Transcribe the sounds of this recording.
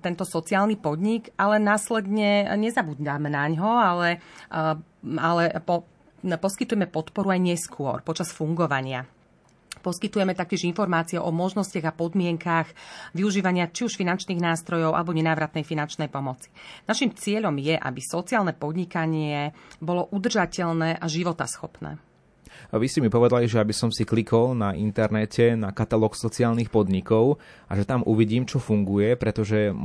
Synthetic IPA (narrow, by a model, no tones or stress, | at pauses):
t̪ɛnt̪ɔsɔt͡siaːlnipɔd̪ɲiɡalɛnaːslɛd̪ɲɛɲɛzabud̪d̪amɛnaɲɦɔalɛ | alɛpɔ | pɔskit̪ujɛmɛpɔt̪pɔɾuajɲɛskʰʊɔ̰ɾpɔt͡ʃasfuŋɡɔʋaɲɪa̰ | pɔskit̪ujɛmɛt̪ak̚cɪɛʒinfɔɾmaːt͡siɛʔɔmɔʒnɔsciaɣapɔd̪mɪɛŋkaɣʋiuʒiːʋaɲɪat͡ʃiuʃfinant͡ʃniːɣnaːst̪ɾɔjɔʊa̰lɛbɔɲɛnaːʋɾat̪nɛjfinant͡ʃnɛjpɔmɔt͡si̥naʃimt͡sɪɛʎɔmjɛʔa̰bisɔt͡siaːlnɛpɔd̪ɲikaɲɪɛbɔlɔʔud̪r̩ʒacɛʎnɛːʔaʒiʋɔt̪a̰sxɔpnɛ̰ː | ʋiscɛmipɔʋɛd̪aliʒɛabisɔmsiklikʰɔlnaʔint̪ɛɾnɛcʰɛnakat̪alɔːksɔt͡siaːlnixpɔd̪ɲikɔʊ | aʒɛt̪amʔuʋiɟiːmt͡ʃɔfuŋɡujɛpɾɛt̪ɔʒɛ